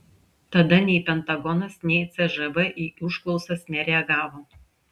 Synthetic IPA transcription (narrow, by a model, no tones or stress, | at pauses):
t̪ɐd̪ɐnʲɛɪpʲɛnt̪ɐɡɔnɐsnʲɛɪt̪sʲɛʒɐʋɐʔiːʊʃklˠɔʊsɐsnʲɛɾʲɛɐɡɑːʋoː